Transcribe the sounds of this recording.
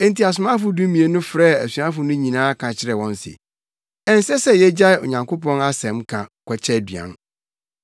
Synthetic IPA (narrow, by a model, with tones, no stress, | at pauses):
ɛ̃˨n̩˨ti˨a˨s̬ʊ˨mã˦fʊ˨dũ˦mĩ˨e˨nʊ̃˦fɾɛː˦˨æ˨sɥã˦fʊ˨nʊ̃˦ɲĩ˨nãː˦kʰã˨t͡ɕʰɪ˦ɾɛ˨wɔ̃˦n˦sɪ̰˨ | ɛ̃˦n˦sɛ˦sɛ˦jɛ˦d͡ʑa˦˨o̰˨ɲã˨ŋkʰo˦pɔ̃˦na˦sɛ̃˨mkʰã̰˨kʷʰɛ˨t͡ɕʰɛ˦˨dɥã̰˨n